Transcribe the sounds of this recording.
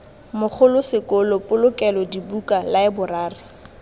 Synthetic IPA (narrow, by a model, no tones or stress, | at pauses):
mʊk͡xʰʊlʊsɪkʼʊlʊpʼʊlʊkʼɛlɔdibukʼalaɪbʊraːrɪ